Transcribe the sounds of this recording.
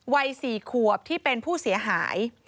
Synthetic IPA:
wa˧jsiː˨˩kʰu˨˩əp̚t̪ʰiː˥˩pe˧npʰuː˥˩si˩˦ɐɦa̰ː˩˦j

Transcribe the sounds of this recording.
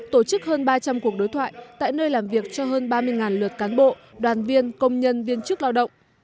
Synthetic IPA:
t̪o˧˩t͡ɕɨ˦˥k̚həː˧nɓaː˧t͡ɕa˧mku˨˩ək̚ɗo˨˦jt̪ʰwa̰ː˧˨jt̪a̰ː˧˨jnəː˧jlaː˨˩mvi˨˩ək̚t͡ɕɔ˧ɦəː˧nɓaː˧mɨ˧əjŋaː˨˩nlwɨ˨˩t̚kaː˨˦nɓo̰˧˨ | ɗwaː˨˩nvi˧ənkə˧wŋ͡mɲə˧nvi˧ənt͡ɕɨ˦˥ək̚laː˧wɗə̰˧˨wŋ͡m

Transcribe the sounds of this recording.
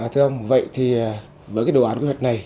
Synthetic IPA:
t̪ʰɨ˧ʔə˧wŋ͡mvə̰˧˨jt̪ʰiː˨˩˨ | vəː˨˦kaː˨˦ɗwaː˨˦kwt̚na˨˩j

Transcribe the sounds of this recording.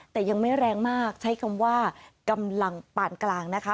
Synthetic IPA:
t̪ɛː˨˩ja˧ŋma˥˩jɾɛː˧ŋmaː˥˩k̚t͡ɕʰa˦˥jkʰa˧mwaː˥˩ka˧mla˧ŋpaː˨˩nklaː˧ŋna˦˥kʰa˦˥

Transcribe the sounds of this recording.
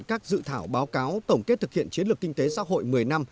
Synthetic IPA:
kaː˦˥k̚zɨ̰˧˨t̪ʰaː˧˩wɓaː˨˦wkaː˨˦wt̪ə˧˩wŋ͡mke˦˥t̚t̪ʰɨ˨˩k̚hḭ˧˨ənt͡ɕi˨˦nlɨ˨˩kːï˧ŋt̪e˨˦sa̰ː˧˥ɦo̰˧˨jmɨ˨˩əjna˧m

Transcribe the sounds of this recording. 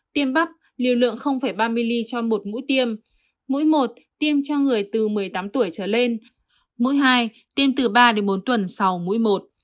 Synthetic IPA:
t̪i˧əmɓa˦˥p̚ | lḭ˨˧˩əwlɨ̰˧˨əŋxə˧wŋ͡mfaː˧˩jɓaː˧mi˧li˧t͡ɕɔ˧mo˨˩t̚mṵ˧˥jt̪i˧əmː | ṵ˧˥jmo˨˩t̚t̪i˧əmt͡ɕɔ˧ŋɨ˨˩əjt̪ɨ˨˩mɨ˨˩əjt̪aː˨˦mt̪u˧˩əjt͡ɕəː˧˩le˧n | mṵ˧˥jɦaː˧j | t̪i˧əmt̪ɨ˨˩ɓaː˧ɗe˨˦nɓo˨˦nt̪wə˨˩nsa˨˦wmṵ˧˥jmo˨˩t̚

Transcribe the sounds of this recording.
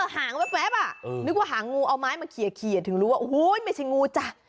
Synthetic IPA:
a˧˩haː˨˩˦ŋwɛː˦˥p̚wɛː˦˥pa˨˩˧nɯ˦˥k̚waː˧˩ɦaː˩˦ŋːuː˧ʔa˧wmaː˦˥jma˧kʰi˨˩ə˦˩kʰi˨˩ə˨t̪ʰɯ˨˩˦ŋɾuː˦˥waː˧ʔhu˦˨jma˥˩jt͡ɕʰa˧˩jŋuː˧t͡ɕa˧˩

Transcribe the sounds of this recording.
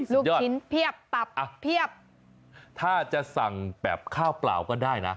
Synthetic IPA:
luː˥˩ɔː˥˩i˦˥npʰi˥˩əp̚t̪a˨˩p̚a˧˩pʰːi˥˩əp̚ | t̪ʰaː˥˩t͡ɕa˨˩sa˨˩ŋbɛː˨˩p̚kʰaː˥˩wpla̰ː˨˩wkɔː˥˩daː˥˩jna˦˥

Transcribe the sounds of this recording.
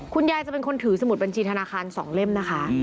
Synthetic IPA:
kʰu˧njaː˧jt͡ɕa˨˩pe˧nkʰo˧nt̪ʰɯː˩˦sa˧mu˨˩ba˧nt͡ɕʰiː˧t̪ʰa˧naː˧xaː˧nsɔ̰ː˩˦ŋle˥˩mna˦˥kʰa˦˥

